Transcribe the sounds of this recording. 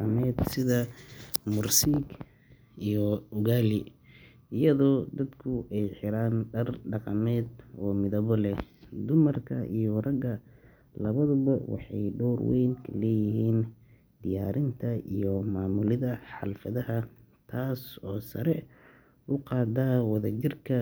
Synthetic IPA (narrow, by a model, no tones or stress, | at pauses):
ɑmɛːd̪sɪðɐmʊrsiːɡ | ijɔʊɣaːlɪ | ɪjɐðɔːd̪ɐd̪kʰʊʔɛjħɪɾaːnɖɐrɖɑqɑmɛːd̪ɔːmɪðɐβɔlɛd̪ʊmɐrkʰɐʔḭjɔrɐɡɐ | lɐβɐðʊβɐwɑ̰ħɑ̰jɖɔwrwɛ̰jnkʰɐlɛːjɪɦiːn | d̪̥ɪjaːɾɪnt̪ʰɐijɔmaːmʊlɪðɐħɑ̰lfɐðɐɦɐ | t̪ʰaːsɔːsɐ̰ɾɛ | ʊqɑːd̪aːwɐðɐt͡ʃɪrkʰɐ